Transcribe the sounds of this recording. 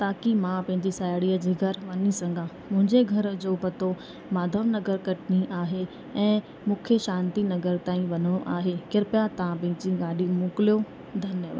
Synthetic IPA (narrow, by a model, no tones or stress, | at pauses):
t̪aːkimãpɐ̃ɦɪ̃ɲd͡ʑisaːjɽiːəd͡ʑiːɡʱɐɾʋɐnisɐ̃ŋɡʱã | mʊ̃ɦɪ̃ɲd͡ʑeɡʱɐɾd͡ʑoːpɐt̪o | maːd̪ʱəʋnɐɡəɾkɐʈniʔaːɦe | ɛ̃ː | mʊkʰjəʃãːnt̪inɐɡəɾt̪aːĩʋɐnoʔaːɦekɪɾpjat̪ɐãpɐ̃ɦɪ̃ɲd͡ʑĩɡaːɖimʊːklijo | d̪ʱɐnjəʋə̰